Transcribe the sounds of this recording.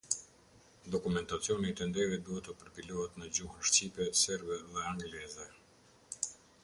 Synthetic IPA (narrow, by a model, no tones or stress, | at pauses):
d̪ɔkumɛnt̪at͡sijɔnit̪ɛnd̪ɛvit̪̚d̪uɦɛt̪əpəɾpilɔɦɛt̪nəd͡ʑuhəʃt͡ɕipɛsɛɾbɛðɛaŋɡlɛzɛ